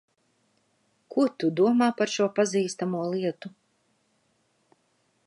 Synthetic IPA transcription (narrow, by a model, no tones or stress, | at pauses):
kuɔt̪ud̪uɔmaːpaɾʃuɔpaziːst̪amuɔlˠiɛt̪u